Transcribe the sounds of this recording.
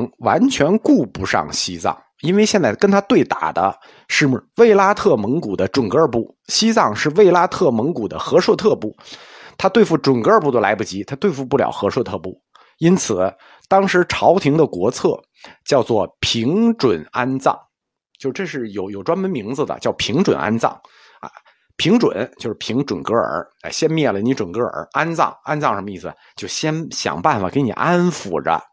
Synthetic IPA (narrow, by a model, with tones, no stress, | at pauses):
ŋwa̰˧˥nt͡ɕʰɥɛ˧˥nku˥˩pu˧˥ʂɑ̰˥˩ŋɕi˥t͡sɑ̰˥˩ŋ | i˥ne˥˧ɪɕjɛ˥˧nt͡sa˥˩ɪkə˥nt̪ʰa˥t̪we˥˩ɪt̪a̰˨˩d̪ə̰˦ | ʂɻ̩˥˧˥we˥˩ɪla˥t̪ʰɤ˥˩mɤ˧˥ŋku˨˩d̪ə˦ʈ͡ʂwə˨˩nkə˞˥˧pu˥˩ | ɕi˥t͡sɑ˥˧ŋʂɻ̩˥˧we˥˩ɪla˥t̪ʰɤ˥˩mɤ˧˥ŋku˨˩d̪ə̰˦xɤ˧˥ʂwɔ˥˧t̪ʰɤ˥˧pu˥˩t̪ʰa˥t̪we˥˧ɪfu˥˩ʈ͡ʂwə˨˩nkpu˥˩d̪ə˧˩la˧˥ɪpu˥˩t͡ɕi˧˥t̪ʰa˥t̪we˥˧ɪfu˥˧pu˥˩ljɑ̰˨˩ʊxɤ˧˥ʂwɔ˥˧˩t̪ʰɤ˥˧pu˥˩ | i˥nt͡sʰɹ̩˨˩ | t̪ɑ˥ŋʂɻ̩˧˥ʈ͡ʂʰɑ˧˥ʊt̪ʰi˧˥ŋd̪ə˧kwɔ˧˥t͡sʰɤ˥˩ | t͡ɕjɑ˥˧ʊt͡swɔ˥˩pʰi˧˥ŋʈ͡ʂwə˨˩na˥nt͡sɑ̰˥˩ŋ | t͡ɕjo˥˧ʊʈ͡ʂɤ˥˧ʂ̬ɻ̩˥˩jo˨˩ʊjo˨˩ʊʈ͡ʂwa˥nmə˧˥nmi˧˥ŋd͡zɹ̩˧d̪ə̰˩t͡ɕjɑ˥˧˩ʊpʰi˧˥ŋʈ͡ʂwə̰˨˩nʔa̰˥nt͡sɑ̰˥˩ŋ̰˧˩ | pʰi˧˥ŋʈ͡ʂwə̰˨˩˦nt͡ɕjo˥˧ʂɻ̩˥pʰi˧˥ŋʈ͡ʂwə˨˩nkɤ˥ə̰˞˧˥a˧˩ɕjɛ˥nmjɛ˥˩lə˩ni˧˥ʈ͡ʂwə˨˩nkɤ˥ə̰˞˨˧˥a˥nt͡sɑ̰˥˩ŋa˥nt͡sɑ˥˩ŋʂə˧˥mə˧i˥˩sɹ̩˩ | t͡ɕjo˥˩ʊɕjɛ˥nɕjɑ̰˨˩ŋpa˥˩nfa˨˩ke˧˥ɪnḭ˨˩ʔa˥nfṵ˨˩də̰˦